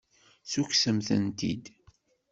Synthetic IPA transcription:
suçsəmθə̰nt̪ḭd̪

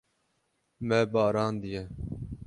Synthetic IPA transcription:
mɛbɑːɾɑːnd̪ijɛ

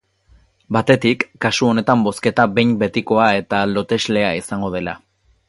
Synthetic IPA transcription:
bat̪e̞t̪ikːasuo̞ne̞t̪ambo̞ske̞t̪abe̞jmbe̞t̪iko̞ae̞t̪alo̞t̪e̞zle̞aisaŋɡo̞ð̞e̞la̰

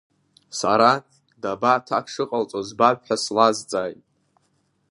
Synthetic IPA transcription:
sa̰ɾa | dabatʰakʰʂɨqʼalt͡sʷʼozbapħʷᶣaslazt͡sʼaːjtʼ

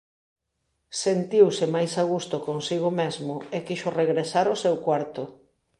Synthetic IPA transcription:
sent̪iwsɪmajsaɣ̞ust̪ʊkoŋsiɣ̞ʊmezmʊekiʃʊreɣɾesaɾʊsɛwkwaɾt̪ʊ

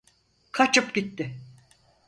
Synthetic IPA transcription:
kʰat͡ʃɯpɟit̪ːɪ

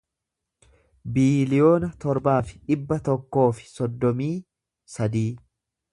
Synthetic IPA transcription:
biːlɪjo̞ːnɐt̪ɔɾbaːfɪ̥ᶑɪbːɐt̪ɔkːo̞ːfɪ̥sɔd̪ːɔmiː | sɐd̪iː

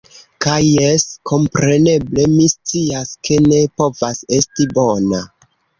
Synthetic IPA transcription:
kajːeskʰo̞mpɾe̞ne̞ble̞mist͡siaskʰe̞ne̞po̞vase̞stibo̞na

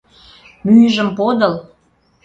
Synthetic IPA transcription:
myjʒə̆mpod̪əl

